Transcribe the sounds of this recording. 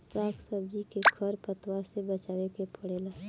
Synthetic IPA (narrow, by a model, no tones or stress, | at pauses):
saːkʰsəb̚d͡ʒikekʰəɾpət̪wasebət͡ʃaːʋekepʰəɽela